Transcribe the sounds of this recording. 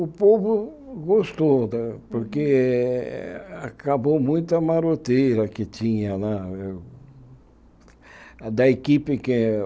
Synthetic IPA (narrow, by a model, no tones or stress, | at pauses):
ʊpobʊ | ɡost̪od̪ɐpoɾke | a̰kabomũj̃t̪ʊɐmaɾot̪ejɾɐkɪt͡ʃ̪ĩɲɐnɛ | d̪ɐekipɪke